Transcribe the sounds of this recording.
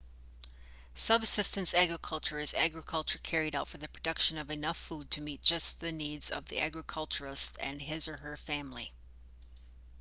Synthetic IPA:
sʌbsɪstɨ̃nsæɡɹɨkʰʌlˠt͡ʃə˞ɨzæ̰ɡɹɨkʰʌlˠt͡ʃə˞kʰɛɹiɾaʊtfə˞ðɨpʰɹ̥ɨdʌkʃɨ̃nʌvɨnʌfud̚tʰɨmit̚d̥ʒ̥ʌsðɨnidz̥ʌ̰vðḭʔæ̰ɡɹɨkʰʌlˠt͡ʃə˞ɨstɨ̰̃nɦɪzə˞ə˞fæ̃mli

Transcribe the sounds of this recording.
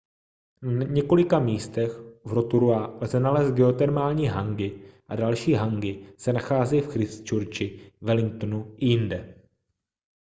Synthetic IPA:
naɲɛko̞lɪkamiːst̪ɛxvɾot̪uɾualzɛnalɛːst̪̚ɡɛot̪ɛɾmaːlɲiːɦaŋɡɪʔadalʃiːɦaŋɡɪsɛnaxaːzɛjfxɾɪst͡ʃuɾt͡ʃɪvɛlɪŋk̚t̪onuʔɪjɪndɛ

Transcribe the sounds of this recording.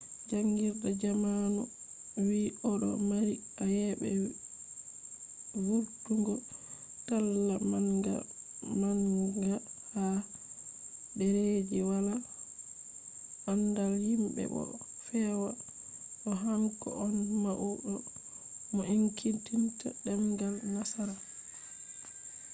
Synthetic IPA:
d͡ʒaŋɡiɾdad͡ʒamanu | wiʔɔɗɔ̰maɾi | ajɛbɛ̰ | wuɾtuŋɡɔ | talːamaŋɡa̰ | maŋɡaha | dɛɾed͡ʒiwala | ʔandalhimbɛ̰ɓɔ̰ | fɛwa | ɗɔɦaŋkɔ̰ʔɔnmaʔuɗɔ | mɔʔiŋkʰintintaɗɛmɡalmasaɾa

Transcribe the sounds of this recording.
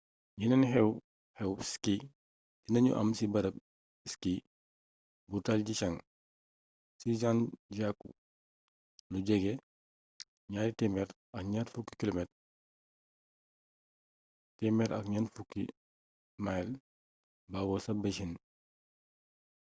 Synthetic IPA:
ɲinɐnhɛw | hɛwski | tinɐɲṵʔɐ̰msibɐɾɐb̚ | iski | butalɟit͡ʃɐŋ | sid͡ʒanɟakːṵ | luɟɛɡe | ɲaːɾitɛmɛɾ | ɐkɲatfukːi̥kilomɛt | tɛmɛɾɐ̰kɲanfukːḭ | majl | baɡɔsɐbɐʃin

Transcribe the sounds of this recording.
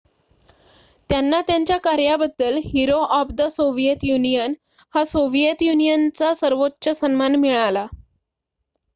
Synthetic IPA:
t̪janːat̪jaɲt͡ɕjakaɾjabəd̪ːəlɦiɾoʔapd̪əsoʋijət̪junijən | hasoʋijət̪junijənt͡sasəɾʋotːɕəsənmanmiɭala

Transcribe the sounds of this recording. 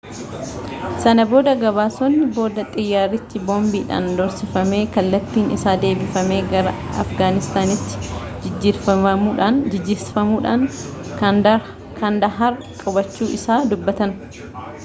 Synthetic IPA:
sɐnɐbo̞ːd̪ɐɡɐbaːsonːɪbo̞ːd̪ɐt̪ʼɪjːaːɾɪt̪ːɪboːmbiːᶑa̰ːnd̪ɔɾsɪfɐme̞ːkɐlːɐt̪ːiːnɪ̰saːd̪e̞ːbɪfɐme̞ːɡɐɾɐ̰ɐ̰fɡaːnɪst̪aːnɪt̪ːɪ̥d͡ʒɪd͡ʒːiːɾfɐmɐmuːᶑaːnd͡ʒɪd͡ʒːɪːɾsfɐmuːᶑaːŋ | kʰɐnd̪ɐɦɐɾkʼʊbɐt͡ʃːuːʔɪsaːd̪ʊbːɐt̪ɐn

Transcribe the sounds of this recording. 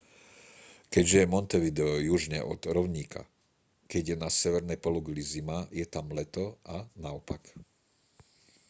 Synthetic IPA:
kɛɟʒɛjɛmɔnt̪ɛʋid̪ɛjuʒɲɛ̰ʔɔd̪ɾɔʊɲiːkʰa̰ | kɛɟjɛnasɛʋɛɾnɛjpɔluɡlizimajɛt̪amlɛt̪ɔʔanaɔpak

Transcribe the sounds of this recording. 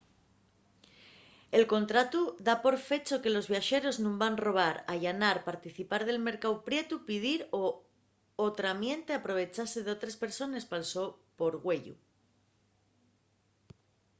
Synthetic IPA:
e̞lko̞nt̪ɾat̪uðapo̞ɾfe̞t͡ʃo̞ke̞lo̞zβjaʃe̞ɾo̞znũmbanro̞β̞aɾaʝanaɾpaɾt̪iθipaɾð̞e̞lme̞ɾkawpɾje̞t̪upið̞iɾo | ot̪ɾamje̞nt̪e̞apɾo̞β̞e̞t͡ʃase̞ðeo̞t̪ɾespe̞ɾso̞ne̞spalso̞po̞ɾɣwe̞ʎṵ

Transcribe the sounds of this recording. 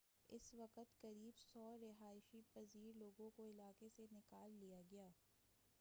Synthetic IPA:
ɪsʋɐqət̪kɐɾiːbsɔːɾɪɦaːɪʃipɐziːɾloːɡõkoɪlaːkesenɪkaːlːijaɡɐjaː

